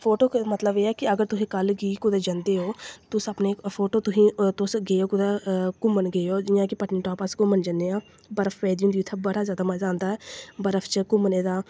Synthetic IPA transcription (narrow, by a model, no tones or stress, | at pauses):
pʰoːʈoːkmət̪ləbeːɛːkɪəɡəɾt̪ʊsĩːkəlɡiːkʊd̪eːd͡ʒãnd̪eːɦoːt̪ʊsəpneːpʰoːʈoːt̪ʊsĩːt̪ʊsɡeːoːkʊd̪ɛːkʊmənɡeːoːd͡ʒɪːãːkɪpəʈniːʈɔːpəskʊmənd͡ʒənd̪eːãː | bəɾəfʰʋɛːd̪iũːnd̪iʊt̪ʰːəbəɽaːzjaːd̪aːməzaːnd̪aːɛːbəɾəfʰt͡ʃkʊmneːd̪aː